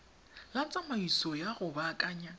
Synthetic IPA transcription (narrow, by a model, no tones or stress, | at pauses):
lat͡sʼamaisɔjaɣʊbaːkʼaːɲa